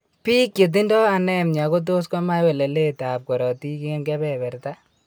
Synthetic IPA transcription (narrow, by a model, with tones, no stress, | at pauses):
piː˦kje˨t̬i˦ndɔ˦a˨nɛ˦˨mɲa˨ko˦t̪̬o˦skɔ˦ma˦jwɛ˨lɛ˨le˦t̪aː˨p̚kɔ˨ɾɔ˨t̪i˦ke˦mkɛbɛ˨bɛ˨ɾt̪a˦